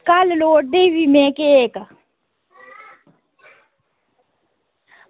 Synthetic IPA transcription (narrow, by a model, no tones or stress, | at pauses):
kalloːʈ̚ɖ̪ewimẽːkeeːk